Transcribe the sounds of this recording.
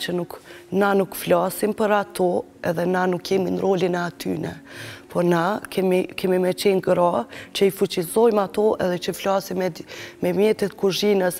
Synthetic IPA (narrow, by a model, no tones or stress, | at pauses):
t͡ʃənuknanukflasimpəɾat̪ʰɔ | ɛðɛnanukʰːɛminɾɔlinɛat̪y̰nɛ̰pɔnakɛmikɛmimɛt͡ʃɛnɡɾat͡ʃəifut͡ɕizɔjmat̪ɔʔɛ̰ðɛt͡ʃəflasimɛmɛmjɛt̪ɛt̪kuʒinəs